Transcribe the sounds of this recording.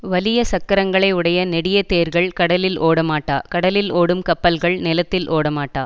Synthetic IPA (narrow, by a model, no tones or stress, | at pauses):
ʋɐlɪjɐsɐkːɐɾɐŋɡɐɭɐɪʊɽɐjɐnɛɽɪjɐt̪eːɾɣɐɭkɐɽɐlɪloːɽɐmaːʈːaːkɐɽɐlɪloːɽɯmkɐpːɐlɣɐɭnɪlɐt̪ːɪlʔoːɽɐmaːʈːaː